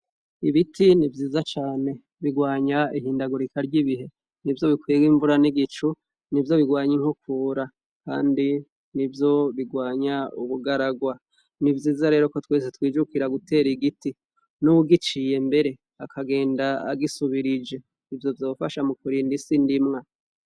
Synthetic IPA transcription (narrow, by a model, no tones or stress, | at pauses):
iβitʰinivjiːzat͡ʃaːne̞ | βiɡwaːɲaiɦiːndaɡuɾikʰaɾɟiβiɦe̞ | nivjo̞βikwiɡiɱvuɾaniɡit͡ʃu | nivjo̞βiɡwaːɲiŋ̥hukuːɾa | ka̰ːndi | nivjo̞βiɡwaːɲauβuɡaɾaɡwa | nivjiːzaɾe̞ːɾo̞ko̞tweːs̬etwiːd͡ʒukiɾaɡute̞ːɾiɡiti | nuwuɡit͡ʃije̞mbe̞ɾe̞ | akʰaɡe̞ːndaa̰ɡisuβiɾid͡ʒe̞ | ivjo̞vjoːfaʃamukuɾiːndisindimŋa